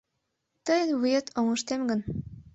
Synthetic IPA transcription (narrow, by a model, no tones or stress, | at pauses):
t̪ɤjənβujet̪ʰoŋɤ̆ʃt̪emɡə̆n